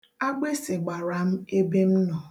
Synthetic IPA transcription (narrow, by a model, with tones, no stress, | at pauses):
a˦ɡ͡be˦sɪ˨ɡ͡ba˨ɾa˨m̩˦e˦be˦m̩˦nɔ˨